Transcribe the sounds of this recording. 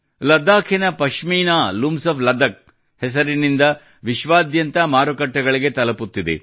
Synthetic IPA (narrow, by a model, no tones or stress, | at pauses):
lɐd̪ːaːkʰinɐpɐʃʂmiːnaːlumsɐpʰlɐd̪ɐk̚ | hɛsɐɾinind̪ɐ | ʋiʃʋaːd̪jɐnt̪ɐmaːɾukɐʈːɐɡɐɭiɡet̪ɐlɐput̪ːid̪ḛ